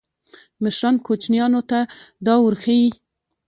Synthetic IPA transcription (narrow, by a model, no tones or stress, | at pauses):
mɪʃɾɑnkot͡ʃnjɑnot̪ad̪ɑwʊɾxeji